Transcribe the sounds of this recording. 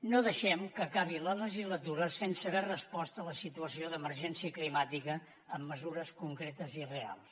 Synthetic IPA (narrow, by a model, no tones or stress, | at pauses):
noðəʃɛmkəkaβ̞ilələʒizlət̪uɾəsensəβɛrəspɔst̪ələsit̪uəsioðəməɾʒɛnsiəklimat̪ikəː | mːəzuɾəskuŋkɾet̪əzirea̰lˠs